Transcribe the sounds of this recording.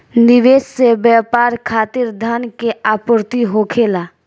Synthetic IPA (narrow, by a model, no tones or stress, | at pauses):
nɪʋeːssebjɛːpaːɾkʰaːt̪ɪɾd̪ʱaːnkeʔaːpʊɾt̪iɦoːkʰeːlaː